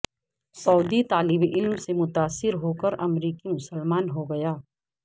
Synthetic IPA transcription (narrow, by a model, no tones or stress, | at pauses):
sɔːd̪it̪aːlɪbiʔɪlmsemʊt̪aːsːɪɾɦokəɾɐmɾiːkimʊsəlmaːnɦoɡɐjaː